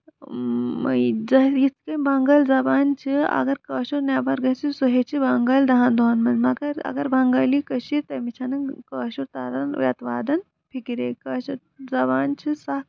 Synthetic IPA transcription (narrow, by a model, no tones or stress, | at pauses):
mɐjd͡zɐjit̪i̥kɐmbɐŋɡɐlzɐbaːnt͡ʃʰiɐ̰ɡɐɾkɐːʃuɾnaːbɐɾɡɐsisuɦet͡ʃʰibɐŋɡɐld̪ɐɦɐnd̪ʱoːnmɐnmɐɡɐɾɐ̰ɡɐɾbʱɐŋɡɐːlikɐʃiɾt̪ɐmit͡ʃʰɐnɨkɐːʃuɾt̪ɐɾɐn̰ʋʲɐt̪ʋaːd̪ɐn | pʰikiɾeːkɐːʃɐɾ | zɐbaːnt͡ʃʰisɐ